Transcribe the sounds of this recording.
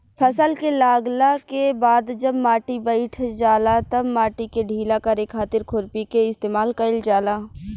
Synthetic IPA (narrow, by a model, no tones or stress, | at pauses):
pʰɐsəlkelaːɡlakebaːd̪d͡ʒɐbmaːʈibəɪʈʰd͡ʒaːlat̪ɐbmaːʈikeɖʱiːlakɐɾekʰːaːt̪ɪɾkʰʊɾpikeɪst̪eːmaːlkɐɪld͡ʒaːlaː